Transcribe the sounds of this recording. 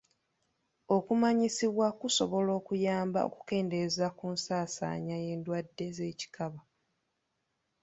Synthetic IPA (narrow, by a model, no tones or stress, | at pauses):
o̞kumaɲisiβwakuso̞βo̞lo̞ːkujaːmba̰o̞̰ku̥ke̞ːnde̞zakuːnsaːsa̰ːɲaje̞ːndwadːe̞ze̞ːci̥kaβa